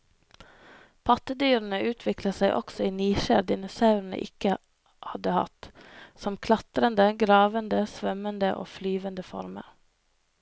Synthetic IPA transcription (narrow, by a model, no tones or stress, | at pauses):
pʰɑt̪əd̪yːɾn̩əʉːt̪ʰʋɪkləsæɪʔɔ̰ksɔiːniːʃæ̰ːɾd̪ɪnʊsɑʉɾn̩ə̰ʔɪkə | hɑd̪əhɑ̰t̪sɔmkʰlɑt̪ɾənd̪əɡɾɑːʋənd̪əsʋœmənd̪əʔo̰ːflyːʋənd̪əfɔ̰ɾmə̰ɾ